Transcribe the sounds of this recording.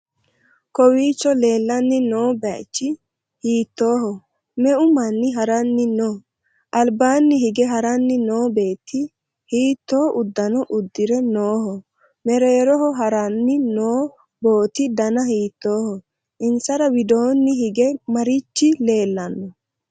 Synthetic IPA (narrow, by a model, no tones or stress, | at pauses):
kɔwiːt͡ʃːɔle̞ːlːɐnːɪnoːbɛt͡ʃːɪ | hiːt̪ːo̞ːhɔ | mɛʔʊmɐnːɪɦɐɾɐnːɪnoː | ʔɐlbaːnːɪɦɪɡɛɦɐɾɐnːɪnoːbe̞ːt̪ːɪ | hiːt̪ːoːʔʊd̪ːɐnɔʔʊd̪ːɪɾɛnoːhɔ | mɛɾeːɾɔɦɔɦɐɾɐnːɪnoː | bo̞ːt̪ɪd̪ɐnɐhiːt̪ːo̞ːhɔ | ʔɪnsɐɾɐwɪd̪oːnːɪhɪɡɛmɐɾɪt͡ʃːɪle̞ːlːɐnːɔ